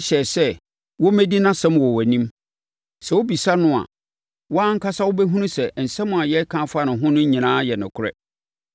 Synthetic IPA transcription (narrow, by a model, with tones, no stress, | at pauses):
ɕɛ˨sɛ˦ | wɔ˦mæ̃˦di˦nã˦sɛ̃˦mwɔ˨wæ˨nĩ˦m | sɛ˨wo˦bi˨sa˦nʊ̃˦a̰˨ | wɔ˦a˦ŋ̩˦kʰa˦sa˦wʊ˦bɛ˦ɦũ˦nũ˦sɛ˨n̩˨sɛ̃˦mʊ̃˨a˨jɛ˦kʰã˦fʊ˦a˦nʊ̃˨ɦʊ̃˦nʊ̃˦ɲĩ˨nãː˦jɛ˨nʊ̃˨kʰʊ˦ɾɛ̰˦